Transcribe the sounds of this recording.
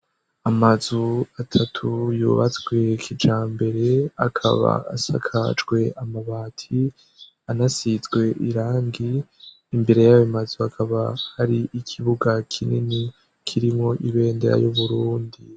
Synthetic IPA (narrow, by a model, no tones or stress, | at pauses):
amazuatʰatʰujṵβat͡sɡwe̞kʰid͡ʒaːmbe̞ɾe̞akʰa̰βa̰ːsa̰kʰa̰d͡ʒɡwe̞amaβaːtʰi | anasizɡwe̞ʔiɾaːŋɡiː | mbe̞ɾe̞jawimazuakʰaβahaɾiʔikʰiβuɡakʰinini | kʰiɾimŋo̞ʔiβe̞ːndḛɾa̰juβuɾuːndi